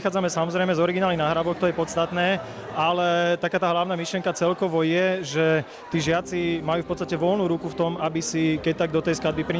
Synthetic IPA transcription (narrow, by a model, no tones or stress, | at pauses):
xaːd͡zamɛsamɔzɾɛjmɛzɔɾiɡinaːlinaɦɾaʋɔxt̪ɔjɛpɔt̪st̪at̪nɛː | alɛt̪akaːt̪aːɦlaʊnaːmiʃlɪɛŋkat͡sɛlkɔʋɔjɛʒɛ | t̪iːʒɪat͡simajuːfpɔt̪t͡sst̪acɛʋɔlnuːɾukuft̪ɔmabisikɛc̚t̪aɡ̚d̪ɔt̪ɛjsklad̪bipɾiɲ